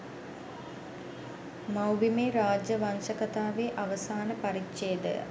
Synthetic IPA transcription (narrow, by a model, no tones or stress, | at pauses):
mɐwʋimeːɾaːd͡ʒjəʋɐnʃɐkɐt̪aːʋeːʔɐʋɐsaːnəpɐɾikt͡ʃeːd̪ə̰